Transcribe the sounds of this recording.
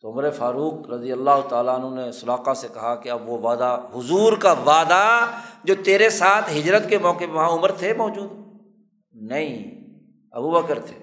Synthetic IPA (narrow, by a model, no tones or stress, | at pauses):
t̪oʊmɾefaːɾuːqɾɐd̪ijəlːaːɦʊt̪aːlaɐnɦõnesʊlaːqasekɐɦakeɐbʋoʋaːd̪aɦʊzuːɾkaʋaːd̪ad͡ʒoːt̪eːɾesaːt̪ʰɦɪd͡ʒɾət̪kemɔːkepeʋɐɦãʊməɾt̪ʰemɔːd͡ʒuːd̪ | nɐɦĩ | ɐbubəkəɾt̪ʰe̥ː